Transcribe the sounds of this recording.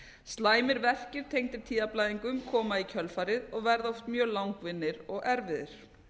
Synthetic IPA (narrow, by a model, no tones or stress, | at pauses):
st̪laːjmɪɾvɛr̥cɪɾ̥t̪ʰejŋt̪ɪɾ̥t̪ʰiːðaplaːjðiŋkʏmkʰɔːmaicʰœlfaːɾɪðɔɣvɛɾðɔft̪mjœːɣlawŋkvɪnːɪɾɔɣɛɾvɪðɪ̰ɾ̥